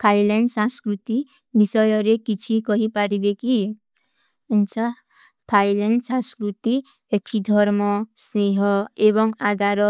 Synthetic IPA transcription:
k̪ʰajleɳɖsãŋskɾut̪i | bisɔjɔɾekit͡ʃʰikɔɦipaɾibeki | ənt͡ʃʰa | t̪ʰajleɳɖsãskɾut̪i | eʈʰid̪ʱɔɾmɔsneɦɔebɔŋad̪ʱaɾɔ

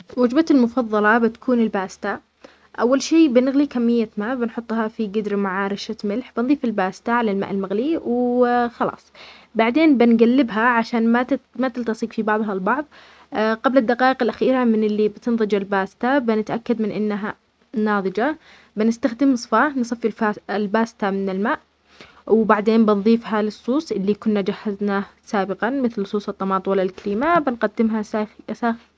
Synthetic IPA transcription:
wad͡ʒbat̪almʊfɑðˤːɑlɑbɪt̪ḁkʰuːnɪlbaːst̪a | ʔawːalʃeːbɪnɪɣlikamːɪjːamaːʔbɪnħʊt̪ˤːhɑfiɡɪd̪ɾmaʕaːɾɪʃat̪mɪlħb̥ɪnðˤiːfɪlbaːst̪aʕalalma̰ːʔɪlmaɣliwxɑlɑ̰ːsˤ | baʕd̪eːnbɪnɡalːɪbɦaʕaʃaːnmamat̪ɪlt̪ɑsˤiːqfibɑʕðˤɦɑlbɑʕðˤ | qablad̪ːaqɑːʔɪqɪlʔaxiːɾamɪnɪlːibɪt̪ɪnðˤɨd͡ʒalbaːst̪abɪnɪt̪ʔakːad̪mɪnʔɪnːɦa | nɑːðˤɨd͡ʒa | bɪnɪst̪axd̪ɪmsˤfansˤɨfɪfalbaːst̪amɪnɪlmaːʔ | wbaʕd̪eːnbɪnðˤiːfɦalɨsˤːuːsˤʔɪlːikʊnːad͡ʒahːaznaːhsaːbɪqɑmɪθlsˤuːsˤɨt̪ˤːɑmɑːt̪ˤwalːalkaliːmabɪnqad̪ːɪmɦasaːxi

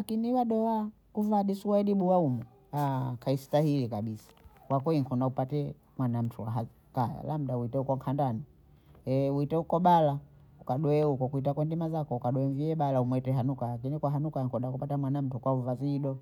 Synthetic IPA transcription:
lakiniwaɗɔa | kuvaɗisuwaɛɗiɓuwaumu | akʰaistahilikaɓisḁkwakɛiŋkɔndaupatɛ | mwanam̩tʰuwaɦa | kaja̰lam̩dauitɛukɔŋkʰandani | ɛuitɛukɔɓala | ukaɗɔɛukɔkuitakwɛndimazakɔukaɗɔɛɱviɛɓalaumwɛtɛɦanukalak̬inikwaɦanukaŋkɔndakupatamwanam̩tukwauvaziɗɔ

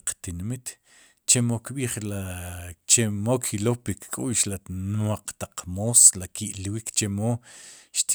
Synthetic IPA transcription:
qt̪inmit̪ | t͡ʃemokɓiːχlat͡ʃemokʰilopikkʼuːʃlanwaq͡χt̪aqmoslakʰiʔlwikt͡ʃemoʃt̪

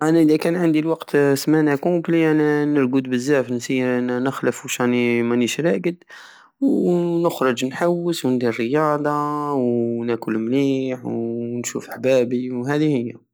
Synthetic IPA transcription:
ʔænæʔəd̪ækænʕand̪ilwɑqt̪smænækʊbliæninəɾɡud̪bəzːæfnsinəxləfuʃanimæniʃɾæɡəd̪ | wnəxɾˤʊd͡ʒnħawːəswənd̪irːəjɑd̪ˤɑwnækʊlmniːħwnʃṵfəħbæbiwɦæd̪ihəjːa

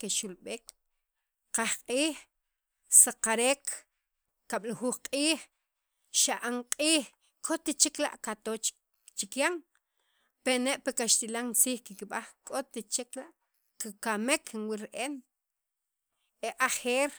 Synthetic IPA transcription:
keʃulɓeːk | qaχqʼiː | saqaɾeːkʰ | kaɓ̥laxuχqʼiːχ | ʃaʔaŋqʼiːχ | kʰot̪et͡ʃikla̰ʔkat̪ot͡ʃ | t͡ʃikjaŋ | peneʔpekaʃt̪ilaŋt͡siːχkikiɓaχkʼot̪et͡ʃeklaʔ | kakamekʰnwiɾʔen | eʔaχeːɾ

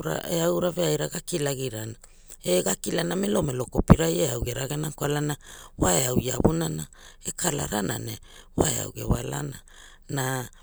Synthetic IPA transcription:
ɾa̰eawɾaveajɾaɡakilaɡiɾana | eɡakilanamelo̞melo̞kopiɾajeawɡeɾaɡenakwalanawaeawia̰bunana | ekʰala̰ɾana̰ne | wa̰ḛa̰wɡe̞̰wala̰na | na

